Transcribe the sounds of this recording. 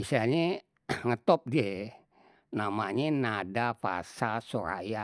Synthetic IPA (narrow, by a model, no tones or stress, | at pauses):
isaɲe | ŋət̪ɔp̚die | namaɲenadafa̰sasoɾa̰ja